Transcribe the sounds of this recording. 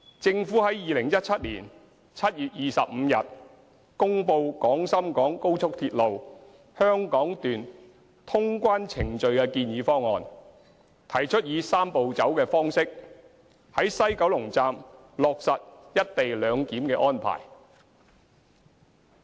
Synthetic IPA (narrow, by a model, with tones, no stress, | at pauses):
t͡sɪ˧ŋfuː˨˥hɐ˨˥jjiː˨lɪ˨˩ŋjɐ˥t̚t͡sʰɐ˥t̚lḭː˨˩n | t͡sʰɐ˥t̚jyː˨t̚jiː˨sɐ˨p̚m̩ː˨˧jɐ˨t̚ | kʊ˥ŋpo˧wkɔː˨˥ŋsɐ˥mkɔː˨˥ŋko˥wt͡sʰʊ˥k̚t̪ʰiː˧t̚lo˨w | hœː˥ŋkɔː˨˥ŋt̪yː˨n | t̪ʰʊ˥ŋkʷaː˥nt͡sʰɪ˨˩ŋt͡ʃɵ˨ɥkɛː˧kiː˧njiː˨˧fɔː˥ŋːɔː˨n | t̪ʰɐ˨˩jt͡ʃʰɵ˥t̚jiː˨˧saː˥mpo˨wt͡sɐ˨˥wkɛː˧fɔː˥ŋsɪ˥k̚ | hɐ˨˥jsɐ˥jkɐ˨˥wlʊ˨˩ŋt͡saː˧m | lɔː˨k̚sɐ˨t̚jɐ˥t̚t̪e˨jlœː˨˧ŋkiː˨˥mkɛː˧ʔɔː˥npʰa̰ː˨˩j